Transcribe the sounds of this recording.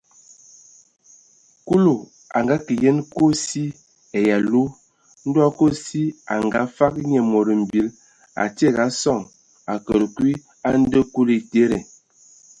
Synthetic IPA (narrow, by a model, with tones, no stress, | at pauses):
ku˦lo˨ | a̰˨ŋɡa˦ki˨je˦nko˦si˦ | ɛ˨ja˨lu˦ | n̩˦dwa˦ko˦si˦a˨ŋ˨ɡa˨˦fa˦kɲɛ˨mo˨ɾə˨m̩˨bi˨˦l | a̰˨ti˦e˦˨ɣa˨˦sɔ˦˨ŋ | a˨kə˨ɾə˨kwi˦ | a˦n̩˦də˦ku˦li˨te˦ɾe˨